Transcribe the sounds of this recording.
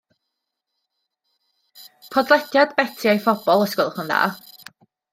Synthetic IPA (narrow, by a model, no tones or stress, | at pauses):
pʰɔdlˠɛtjadbɛtʰɪajfɔbɔlˠəskʊlˠχʊnða̰ː